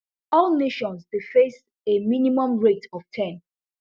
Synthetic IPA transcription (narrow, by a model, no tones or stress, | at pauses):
ɔlneʃɔ̃nsdefes | eminimɔ̃mɹetʰɔftʰɛ̃n